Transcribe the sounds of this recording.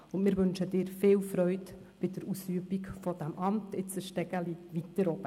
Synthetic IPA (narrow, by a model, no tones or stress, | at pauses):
ʊnmɪːɾʋʏnʃəd̥ɪːɾfɪːlfɾœʏt | b̥ɪdəɾusyəbikfɔd̥æmʔɑmtɪt͡səʃtɛɡəlivitəɾɔb̥ə